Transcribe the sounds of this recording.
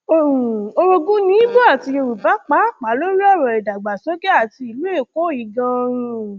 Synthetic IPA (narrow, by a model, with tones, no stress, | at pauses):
o˨ɾũ˨o˦˧ɾo˧ɡũ˦nĩ˦bo˦a˦˨ti˧je˧ɾu˨ba˨˦k͡pa˨˦˨k͡pa˨˦lo˦ɾi˦ɔ˦˨ɾɔ˨ɛ˨da˨ɡ͡ba˨sɔ˨˦ɡe˦a˦˨ti˧˦i˨˧˨lu˦e˦˨ko˨˦i˨ɡã˧ɾ̃ũ˧